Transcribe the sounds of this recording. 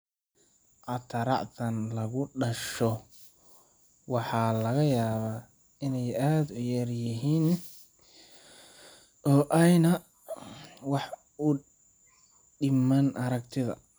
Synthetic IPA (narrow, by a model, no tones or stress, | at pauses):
ʔɐt̪ʰɐɾɑ̰ʔt̪ʰɐnlɐɣʊɖɐʃɔ | wɑħɑːlɐɣɐjaːβaː | ɪnɛjaːd̪ʊjɛrjɪɦiːn | ʔɔːʔɛjnɐ | wɑħ | ʊ | ɖɪmɐnʔɐɾɐɡt̪ʰɪðɐ̰